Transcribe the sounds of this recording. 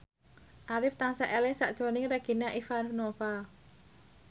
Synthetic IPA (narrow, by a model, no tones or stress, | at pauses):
ʔaɾɪft̪aŋsaʔɛlɛŋsaʔd̥ʒ̥ɔ̤nɪŋɾaɡ̥i̤naʔifannofa